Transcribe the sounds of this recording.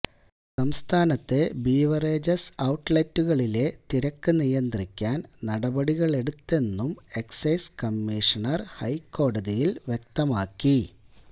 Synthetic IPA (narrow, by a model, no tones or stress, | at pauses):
sɐmst̪ʰaːnɐt̪ːebiːʋɐreːd͡ʑɐsɐwʈːlɐtːuɣɐɭile̞t̪iɾɐkːɨnijɐnd̪rikʲːaːnnɐɽɐbɐɽiɣɐɭe̞ɽut̪ːe̞nːume̞ksɐjskɐmːiʂɐnɐrhɐjkːo̞ːɽɐðijilʋjek̚t̪ɐmaːkːi